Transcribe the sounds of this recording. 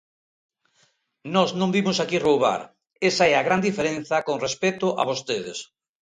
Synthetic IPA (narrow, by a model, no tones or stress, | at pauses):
nɔznõmbimʊsakirowβa̰ɾ | esaɛaɣɾand̪ifeɾẽnθɐkoŋrespet̪ʊʔa̰βost̪eðḛs